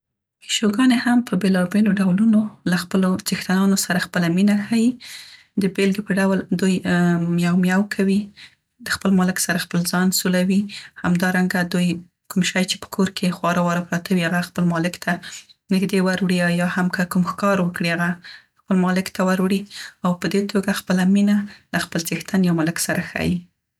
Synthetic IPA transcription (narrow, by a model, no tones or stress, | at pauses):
ɪʃoɡɑnehampəbelɑbeloɖawlunolaxpəlod͡ʒɪxt̪anɑnosaɾaxpəlaminaxaji | d̪əbelɡepəɖawld̪ujmjɑwmjawkʰawi | d̪əxpəlmɑlɪksaɾaxpəlzɑnsulawihamd̪ɑɾaŋɡad̪uj | kumʃɑjt͡ʃe̥pə̥kʰoɾkʰexwɑɾawɑɾapɾɑt̪ʰawiaɣaxpəlmɑlɪkt̪ʰanɪɡd̪ewaɾwɽiajɑhamkakumxkɑɾwəkɽiaɣa | xpəlmɑlɪkt̪awaɾwɽiawpəd̪et̪ʰoɡaxpəlaminalaxpəlt͡sext̪anjɑwmɑlɪksaɾaxa̰ji